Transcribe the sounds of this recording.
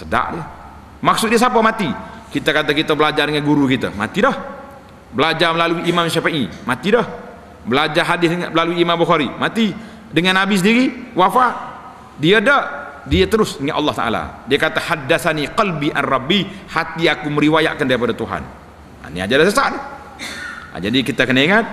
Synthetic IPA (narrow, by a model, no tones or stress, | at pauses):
səda̰ʔdi | mak̚sʊt̪̚dias̬apamat̪ikit̪akat̪akit̪abəlad͡ʒardəŋanɡuɾukit̪a̰ma̰t̪idah | bəlad͡ʒarməlaluiʔːmamʃafaʔimat̪idah | bəlad͡ʒarɦadɪlaluiːmambəxaɾimat̪i | dəŋanːabis̬ədiɾiwafaʔ | diadadiat̪əɾʊsəŋaʔ̪ɑlːɑht̪a̰ʔa̰la̰diakat̪ahadːaθaniqɑlbiʔa̰nrɑbːihat̪iakuməɾiwaja̰ʔkandaɾipadat̪uɦa̰n | a̰nḭa̰d͡ʒadasəsan | a̰d͡ʒadikit̪akənaiŋat̪̚